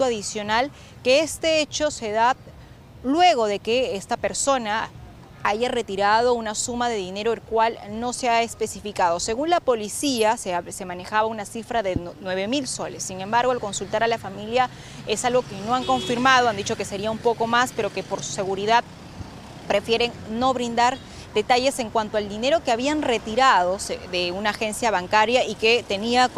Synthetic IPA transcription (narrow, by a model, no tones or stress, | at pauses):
t̪uaðisjo̞nal | ke̞est̪e̞et͡ʃo̞se̞ða | lwe̞ɣ̞o̞ðe̞ke̞est̪ape̞ɾso̞na | aʝare̞t̪iɾað̞o̞unasumaðe̞ðine̞ɾoelkwalno̞seaespe̞sifikaðo̞se̞ɣunlapo̞lisiasese̞mane̞xaβaunasifɾaðe̞nwe̞β̞e̞milso̞lesːiŋe̞mbaɾɣo̞alko̞nsult̪aɾalafamilja | esalɣo̞keno̞aŋko̞ɱfiɾmað̞o̞and̪it͡ʃo̞ke̞se̞ɾiaumpo̞ko̞maspe̞ɾo̞ke̞po̞ɾsu̥se̞ɣuɾiðað | pɾe̞fje̞ɾe̞ŋno̞βɾind̪aɾ | d̪e̞t̪aʝe̞se̞ŋkwant̪o̞ald̪ine̞ɾo̞keaβ̞ianre̞t̪iɾað̞o̞sed̪e̞unaːxe̞nsjaβaŋkaɾjaʔiket̪e̞nia